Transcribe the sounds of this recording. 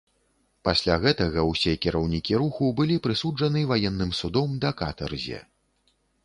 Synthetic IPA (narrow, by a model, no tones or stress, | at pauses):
pasʲlʲaɣɛt̪ɐɣɐwsʲɛkʲiɾɐwnʲikʲiɾuxubɨlʲipɾɨsud͡ʐɐnɨvajɛnːɨmsud̪ɔmd̪ɐkat̪ɛ̰rzʲɛ̰